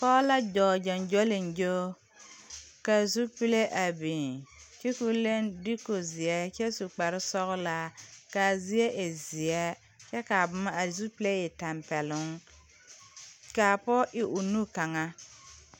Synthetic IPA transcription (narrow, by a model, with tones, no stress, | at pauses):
pɔː˦la˦d͡ʒɔː˨d͡ʒɔ˨nd͡ʒɔ˦lɪ˨nd͡ʒoː˦ | ka˨zu˦pi˦le˦ʔa˨bi˨t͡ʃi˦ku˦le˦ndi˦ko˨zɪ˨ɛ˦t͡ʃɛ˦su˨k͡pa˨ɾɪ˦sɔ˦ɣʊ˦la˦ka˨zi˦e˦ʔe˨zɪ˨ɛ˦ | t͡ʃɛ˦ka˨bʊ˨˦ma˦a˨ɾzu˦pi˦le˦jɪ˨ta˨mpɛ˨lʊ˦ŋ | ka˨pɔ˦ʔɪ˦ʔʊ˨nu˦ka˨ŋa˦